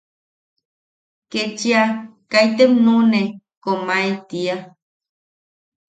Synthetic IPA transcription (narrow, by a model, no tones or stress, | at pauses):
ket͡ʃiakajt̪emnune | komaet̪ia